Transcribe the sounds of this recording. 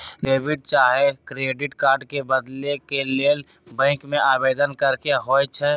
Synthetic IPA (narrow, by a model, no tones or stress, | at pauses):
leːbɪʈ̚t͡ʃaːɦekɾeːɖɪʈkaːɾɖkebəd̪lekeleːl | bɛ̃ːkmẽʔaːbeːd̪ənkəɾkeɦoːt͡ʃʰɛ